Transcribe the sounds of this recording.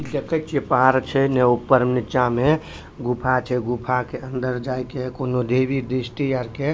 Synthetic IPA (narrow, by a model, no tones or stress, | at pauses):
ilekət͡ʃepaɾt͡ʃʰɛnɛupːəɾmnit͡ʃame | ɡupʰat͡ʃʰɛɡupʰakeʔənd̪əɾd͡ʒajkekonod̪ebid̪isʈijaɾke